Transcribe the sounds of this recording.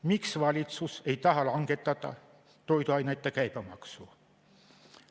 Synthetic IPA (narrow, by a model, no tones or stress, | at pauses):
miksvɑlʲit̪suse̞jt̪ɑɦɑlɑŋɡe̞t̪ːˑɑd̪ɑ̰ | t̪o̞jd̪uɑjnɑjt̪ːˑekæjb̥æmɑksu